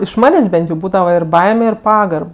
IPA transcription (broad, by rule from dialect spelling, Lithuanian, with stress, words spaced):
ɪʃ ˈmɑːnʲeːsʲ ˈbʲɛnt jɛʊ ˈbuːdɐʋɐ ɪr ˈbɐɪmʲɛ ɪr ˈpɑːɡɐrp